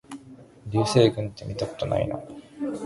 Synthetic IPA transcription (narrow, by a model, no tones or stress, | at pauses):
ɾʲɨːse̞ːɡɯ̟̃nt̪ːe̞mʲit̪ako̞̥t̪o̞na̰ḭno